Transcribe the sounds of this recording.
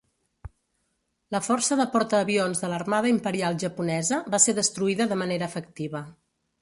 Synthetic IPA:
ləfɔrsəðəpɔɾt̪əːβionzðələrmaðəimpəɾialˠʒəpunɛzəβaseðəst̪ɾuiðəðəməneɾəːfək̚t̪iβə

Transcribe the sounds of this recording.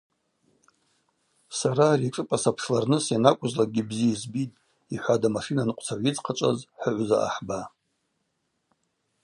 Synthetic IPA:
saɾaːriʈ͡ʂʼɨpʼasapʰʂlarnɨsjanakʷʼʊzlaɡʲibziaizbitʼ | iħʷadamaʂinanɨqʷʼt͡sʰaʕʷid͡zqʰat͡ʃʷʼa̰zħəʕʷza̰ʔa̰ħba

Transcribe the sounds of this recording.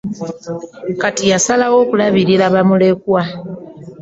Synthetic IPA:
katijasalawo̞ːkulaβiɾilaβamule̞kwa

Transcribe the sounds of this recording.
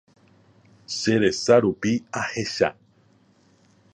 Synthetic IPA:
ʃeɾesaɾupiaheʃa̰

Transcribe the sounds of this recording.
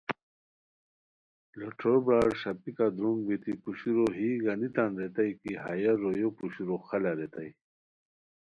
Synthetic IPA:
loʈʰobɾaːɽɕɐpikad̪ɾuŋɡbit̪ikuɕiɾoɦiɡɐnit̪anɾet̪ɐjkiɦajɐɾojopuɕiɾoxɐlɐɾet̪aj

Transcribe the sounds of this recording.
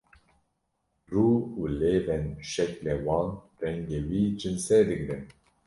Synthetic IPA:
ruːuːleːvɛnʃɛklɛːwɑːn | rɛŋɡeːwiːd͡ʒɨnsɛd̪ɨɡɾɛn

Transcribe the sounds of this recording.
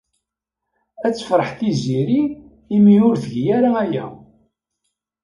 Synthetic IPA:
æt͡sːə̥fɾˤəħθiziɾiː | mijʊɾθʝjæɾaæjæ̰

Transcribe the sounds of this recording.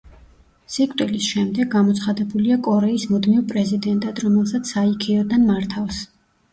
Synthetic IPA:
sikʼt̪ʼilisʃɛmd̪ɛɡːamɔt̪sʰχad̪ɛbuliakʼɔɾɛismud̪mivpʼɾɛzid̪ɛnt̪ʼad̪ɾɔmɛlˠsat̪sʰaikʰɛɔd̪anmaɾt̪ʰafs

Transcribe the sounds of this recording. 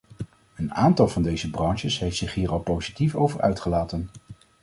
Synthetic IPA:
əna̰ːntɑlˠv̥ɑndejzəbrɑnʃəsɦejftsɪχɦiːrɑlˠpowzitifo̰wvəɹʔœ̰ɥtχəlaːtən

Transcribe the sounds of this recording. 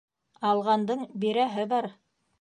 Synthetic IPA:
ɑlˠʁɑnd̪ɤɴbiɾæɦɘbɑɾ

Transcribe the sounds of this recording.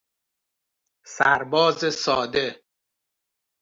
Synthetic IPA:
sæɾbɒːzesɒːd̪e

